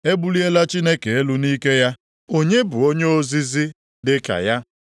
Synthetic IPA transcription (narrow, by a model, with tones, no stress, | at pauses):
e˦bʊ˦li˦e˦la˦t͡ʃi˦ne˦ke˨e˦lu˦niː˦ke˦ja˦ | o˦ɲe˦bʊ˨o˦ɲe˦o˦zi˦zi˦ | dɪ˦ka̰˨ja˦